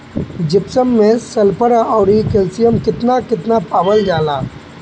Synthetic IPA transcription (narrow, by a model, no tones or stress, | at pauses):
d͡ʒɪpsəmːẽsɐlpəɾaɔːɾikɛlsɪjəmkɪt̪nakɪt̪napaːʋəld͡ʒaːlaː